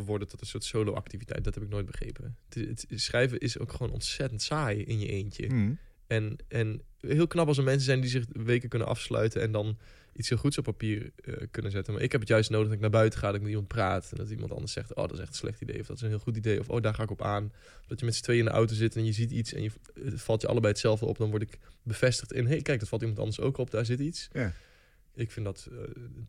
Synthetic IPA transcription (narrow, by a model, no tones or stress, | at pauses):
əʋɔɹdətɔtənsʊːtsowlo̰ʔa̰k̚tivitɛ̰jt̚dɔtɦɛpɪk̚noːjt̚bəχrḛjpətɪətsrɛjvəʔɪso̰wkχəʋoːnɔ̰ntsɛtəntsaːjɪnjə̰ʔejncə̰ | ɛnɛnɦɪːlˠknɑpɑlˠsəɹmɛns̬əzɛjndizɪχʋejkəkʏnə̰nʔɑ̰fslœ̰ɥtəɛ̰ndɑn | ʔitshɪːlˠχutsɔpːapiːrə̰kɵnənzɛtənma̰ːɹʔɪ̰kɦɛp̬ətjœɥstnoːdəχdɔtɪk̚naːɹbœɥtəχaːdɔtɪkmɛtimɑnt̚praːtɛndɔtimɑ̰ntɑ̰ndəɹsɛ̰χto̰ːdɔtɪsɛ̰χtən̩slɛχtidḛjɔfdɔtɪ̥sənɦɪːlˠχutidejɔ̰fo̰ːdaːɹχaːɪkɔpaːn | dɑtjəmɛtsə̥tʋejɪndəʔa̰wtozɪtɛnjəzititsɛ̰njə | fɑlˠtjəɑ̰ləbɛjətsɛlˠvdəɔ̰pdɔnʋɔɹtɪkbəv̥ɛstəχtɪnɦejkɛjk̚dɔtfɑlˠtimɑntɑ̰ndəɹso̰wkɔp̚daːɹzɪtits | ɪkfɪndɑt